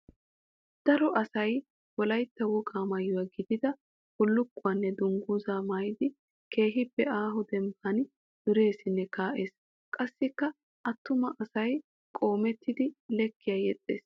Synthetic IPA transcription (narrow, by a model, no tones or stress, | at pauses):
d̪̥ɐɾɔʔɐsɐj | wɔlɐjt̪ːɐwɔɡaːmɐjːɔwaːɡɪd̪ɪd̪ɐ | wɔlːʊkːʊanːɛd̪ʊŋɡuːzaːmaːjd̪ɪ | ke̞ːɦɪbːɛaːɦɔd̪ɛmbɐn | d̪̥ʊɾe̞ːsɪnːɛkaːʔe̞ːs | kʼɐsːɪkːɐ | ʔɐt̪ːʊmɐʔɐsɐj | kʼo̞ːmɛt̪ʰːɪd̪ɪlɛkːɪjaːjɛt͡sʼːḛːs